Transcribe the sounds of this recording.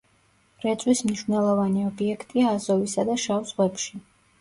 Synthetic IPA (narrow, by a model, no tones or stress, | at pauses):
ɾɛt̪sʼwismniʃvnɛlˠɔvaniɔbiɛkʰt̪ʼiaːzɔvisad̪aʃavzʁwɛpʃi